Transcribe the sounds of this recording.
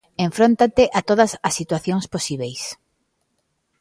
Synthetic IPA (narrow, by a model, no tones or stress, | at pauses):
ẽɱfɾont̪at̪eʔat̪oð̞ɐsɐsːit̪waθjoŋsposiβejs